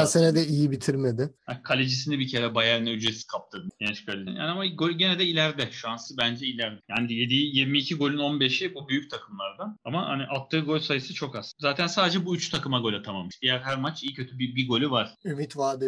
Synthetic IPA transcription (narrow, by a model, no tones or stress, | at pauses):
asenɛd̪ɛijibit̪ʰiɾmed̪ɪakʰalʲed͡ʒisinibicʰe̞ɾɛbajæɾinɛyd͡ʒɾesi̥kʰap̚t̪ʰɯɾjɛnt͡ʃkʰalʲeja̰ːniamaɡolʲɟenɛd̪ɛilʲæɾd̪ɛʃuansɯbænd͡ʒɛilʲæɾd̪ɛjaːnije̞d̪ijjiɾmiːcʰiɡo̞lʲyno̞nbe̞ʃibubyjyc̚t̪ʰakʰɯmlˠaɾd̪aamaha̰niʔalˠt̪ʰːɯːɡo̞lʲsajɯsɯt͡ʃʰo̞kaz̥zaːt̪ʰænsaːd̪ed͡ʒɛbuyt͡ʃt̪ʰakɯmaɡo̞lʲat̪ʰamamːɯʃd̪ijæɾɦæɾmat͡ʃijcʰøt̪ʰybibiɡo̞lʲyvaɾ̥ymit̪vaːd̪ɯ